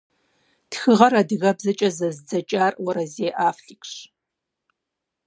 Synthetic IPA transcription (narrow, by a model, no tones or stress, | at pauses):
txɨʁɐrɐdɨɣɐbzɐt͡ʃʼɐzɐzd͡zɐt͡ʃʼaːrwɐɾɐzeːʔaːfɬɨkʷʼɕ